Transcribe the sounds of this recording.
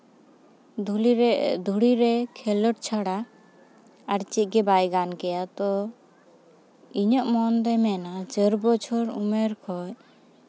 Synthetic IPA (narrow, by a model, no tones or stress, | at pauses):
d̪ʱuɽiɾɛkʰɛlɔʈ̚t͡ʃʰaɽa | aɾt͡ʃit̪̚ˀɡɛbajɡankɛjat̪ɔ | iɲɔʔmɔnd̪ɛmɛnad͡ʒəɾbɔt͡ʃʰɔɾṵmɛɾkʰɔj